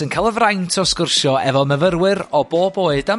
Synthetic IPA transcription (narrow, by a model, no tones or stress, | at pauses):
ənkʰalˠəvrajntʰɔskʊrʃjɔɛvɔməvəɾwɨɾɔboːboːɨdam